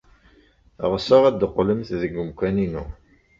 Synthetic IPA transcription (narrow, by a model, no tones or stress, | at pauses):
ʁəsəʁæd̪qːləmθðəɡʊmkʷæninṵ